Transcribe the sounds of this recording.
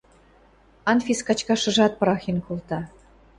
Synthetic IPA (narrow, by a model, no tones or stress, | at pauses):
ɑnfʲiskɑt͡ɕkɑʃɤ̆ʒɑt̪̚pɾɑxʲenkult̪ɑ